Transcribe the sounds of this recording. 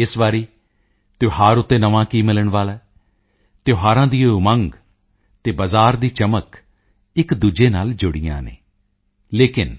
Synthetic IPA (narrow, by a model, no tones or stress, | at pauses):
ɪsʋaːɾiː | t̪oːɦaːɾʊt̪ːeːnəʋãːkiːmɪləɳʋaːlɛː | t̪ejoːɦaːɾãːd̪iːomə̃ŋɡ | t̪eːbəzaːɾd̪iːt͡ʃəmək | ɪkd̪uːd͡ʒeːnaːld͡ʒʊɽijã̰ːnḛː | leːkɪn